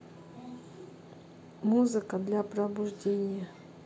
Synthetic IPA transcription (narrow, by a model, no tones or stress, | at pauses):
muzɨkəd̪lʲapɾəbʊʐdʲenʲɪjə